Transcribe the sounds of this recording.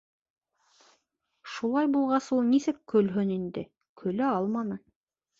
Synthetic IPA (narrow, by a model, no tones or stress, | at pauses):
ʃulˠɑjbulˠʁɑsulˠnisɘkkːɵ̆lɦɵnind̪ɘ̰ | kʰɵ̆læɑlˠmɑnɤ